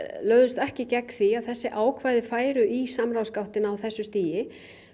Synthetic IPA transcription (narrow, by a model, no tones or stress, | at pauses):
lœːɥðʏst̪ɛhcɪcɛkθiaðθɛsːɪʔaːwkʰvaːjðɪfaːjɾʏʔisamɾawskawht̪ɪnawθɛsːʏst̪iːjɪ